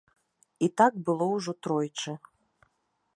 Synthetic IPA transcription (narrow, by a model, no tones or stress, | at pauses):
it̪aɡbɨlˠɔwʐɔt̪ɾɔjt͡ʂɨ